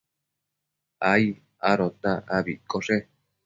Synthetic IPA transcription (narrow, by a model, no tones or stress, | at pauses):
ai | aɾot̪ãaβikoʂe